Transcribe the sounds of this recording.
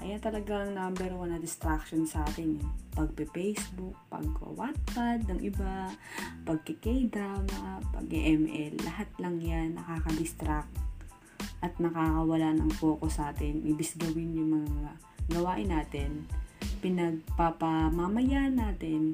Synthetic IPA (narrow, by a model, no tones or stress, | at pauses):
ʔɐjant̪ɐlɐɡaŋnambɛɾowɐnɐd̪ɪst̪ɾak̚ʃonsɐʔaːt̪ɛnɛpɐɡ̚pɛpɛjsbuk̚pɐ̰ɡ̰̚wat̪̚pad̪̚nɐŋʔɪbapɐɡ̚kɛkɛjd̪ɾawnɐapɐ̰ɡ̚ʔɛ̰ʔɛmʔɛlːɐhat̪̚lɐŋjanːɐkaːkɐd̪ɪst̪ɾak̚t̪ | ʔɐt̪̚nɐkakɐwɐlanɐŋkoːkosʔaːt̪ɛnʔɪbɪsd̪owɪnjʊŋmɐŋaŋa | ɡɐwaːʔɪnːaːt̪ɛnpɪnɐɡ̚pɐpɐmɐmɐjaʔɐnːaːt̪ɛn